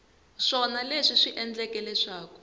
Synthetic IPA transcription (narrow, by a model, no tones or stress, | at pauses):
ʂɔnaleʂiʂiʔɛnd͡ɮɛkɛlɛʂaːkɔ̥